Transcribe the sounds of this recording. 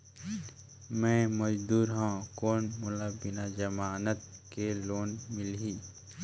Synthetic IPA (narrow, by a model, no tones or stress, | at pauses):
mɛ̃ːməd͡ʒd̪uːɾɦãkoːnmʊlabɪnad͡ʒəmaːnət̪̚keloːnmɪlɦiː